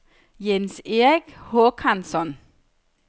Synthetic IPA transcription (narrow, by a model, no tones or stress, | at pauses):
jense̝ʁiɡ̥hokʰansɒn